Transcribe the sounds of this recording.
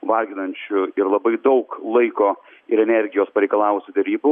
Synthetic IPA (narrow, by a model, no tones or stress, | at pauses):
ʋɐlʲɡʲɪnɐnʲt͡ʃʲʊɪɾlˠɐbɐɪd̪ɒʊklˠɐɪkoː | ɪɾɛnʲɛɾʲɡʲɪjoːspɐɾʲɛɪkɐlˠɑːʊʊsʲɪd̪ʲɛɾʲiːbʊ